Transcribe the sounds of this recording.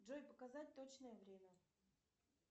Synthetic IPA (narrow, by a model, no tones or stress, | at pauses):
ʐojpəkazat̚ʲt̪ot͡ɕnəjəvɾʲemʲə